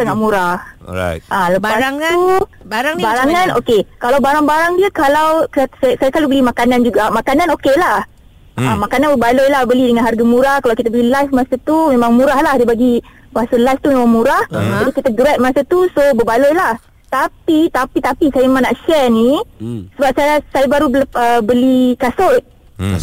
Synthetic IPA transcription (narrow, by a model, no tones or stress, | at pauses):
saŋaʔmuɾahʔaləpast̪u | ɾbaɾaŋano̰kekalawbaɾaŋbaɾaŋdiəkalawksasajasalubəlimakanand͡ʒuɡamakanãnokelah | ʔamakananbəbalojlahbəlidəŋanɦarɡamũɾahkalawkit̪əbəlilajfmasat̪umemãŋmũɾahlahdibaɡi | asəlajft̪umemãŋmũɾahd͡ʒadikit̪aɡɾɛt̪̚masat̪usobəbalojlah | t̪apit̪apit̪apisajamemãŋnaʔʃɛrnisəbap̚sajasajabaɾubəbəlikasʊt̪̚